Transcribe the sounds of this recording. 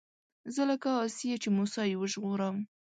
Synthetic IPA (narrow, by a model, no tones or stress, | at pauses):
zəlakɑːsijet͡ʃemusɑjewəʒɣoɾəm